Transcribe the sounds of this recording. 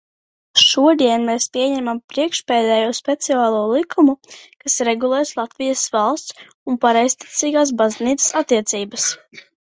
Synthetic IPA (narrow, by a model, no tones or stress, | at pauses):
ʃuɔd̪iɛnmɛːspʲiɛɲɛmampɾiɛkʃpɛːd̪ɛːjuspɛt̪siaːlˠuːlˠikʰumukasɾɛɡulˠɛːjslˠat̪vijəsvɑlˠst̪s | unpaɾɛjst̪i̥t̪siːɡaːs̬bazniːt̪ssat̪ːiɛt̪siːbəs